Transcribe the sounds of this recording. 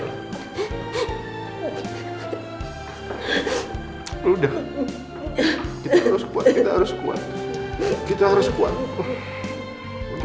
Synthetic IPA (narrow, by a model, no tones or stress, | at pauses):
udah | kiaɾʊskua̰tkit̪aɦaɾʊskṵa̰t̪̚ | kit̪aɦaɾʊskuat̪